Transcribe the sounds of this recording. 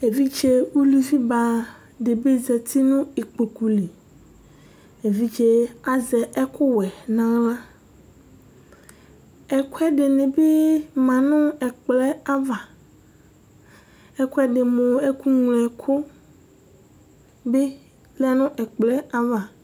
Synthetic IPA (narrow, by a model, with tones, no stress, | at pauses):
e˨vi˦t͡ʃe˦wu˦li˦vi˦ba˨ | ɖe˨be˦zɛ˨t̪ʰi˦nʊ̃˦e˨k͡po˨ku˨li˨ | e˨vi˦t͡ʃe˦a˦zɛ˨ʔɛ˦kʊ˦wɛ˨nã˦ɣla˦ | ɛ˨ku˦ɛ˦ɖɪ˨nẽ˨be˦mã˨nʊ̃˦ɛ˨k͡plɛ˦a˦va˨ | ɛ˦ku˦ɛ˦ɖɪ˨mõ˨ɛ˦ku˦ŋ˨lɛ˨kʰʊ˦ | be˦ | lɛ˦nʊ̃˦ʔɛ˨k͡plɛ˦a˦va˨